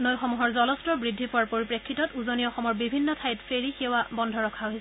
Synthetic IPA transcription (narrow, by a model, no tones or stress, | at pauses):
nojxɔmuɦɔɹzɔlɔstɹɔbɹidʱːipɔwaɹpoɹipɹekʰːitɔtuzoniɔxɔmɔɹbibʱinːɔtʰajtfeɹixiwabɔndʱɔɹɔkʰaoɦisɛ